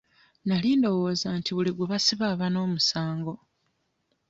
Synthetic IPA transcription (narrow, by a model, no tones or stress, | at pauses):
naliːndo̞wo̞ːzantʰiβuliɡweβasiβaːβano̞ːmusaːŋɡo̞